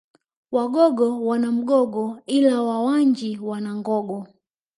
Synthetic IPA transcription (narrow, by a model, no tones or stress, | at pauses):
waɡɔɡɔwanam̩ɡɔɡɔilawawaɲd͡ʒiwanaŋɡɔɡɔ